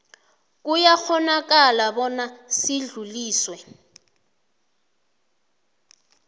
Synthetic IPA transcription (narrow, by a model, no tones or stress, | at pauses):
k̬ʼujak͡xɔnak̬ʼalabɔnasɪɮuliːswɛ